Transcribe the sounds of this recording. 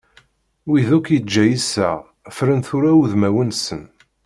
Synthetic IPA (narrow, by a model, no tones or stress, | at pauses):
wiðukjəd͡ʒːæjisæ̰ʁ | fɾənθʊɾæuðmæwənsən